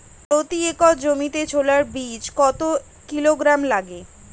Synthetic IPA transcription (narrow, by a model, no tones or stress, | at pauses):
pɾot̪iekɔd͡ʑomit̪et͡ɕʰolaɾbit͡ɕkɔt̪o | kiloɡɾamlaɡe